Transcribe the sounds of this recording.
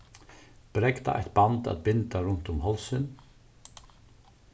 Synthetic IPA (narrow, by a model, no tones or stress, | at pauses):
b̥ɾɛkt̪a̰ʔɛ̰ht̪̚bant̪a̰t̪̚bɪnt̪aɾʊn̥t̪ʊmhɔlsɪn